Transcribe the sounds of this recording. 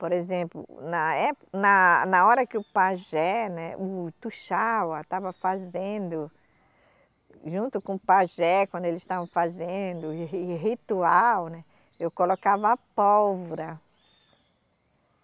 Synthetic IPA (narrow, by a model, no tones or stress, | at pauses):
poɾezẽplʊ̰nɐɛpnɐnɐɔɾɐkɪʊpaʒɛnɛ̰ʊt̪uʃawɐt̪avɐfazẽnd̪ʊ | ʒũnt̪ʊkõpaʒɛkwɐ̃nd̪ʊelɪst̪avɐ̃w̃fazẽd̪ʊɦit̪uawnɛ | ewkolokavɐapɔwvoɾɐ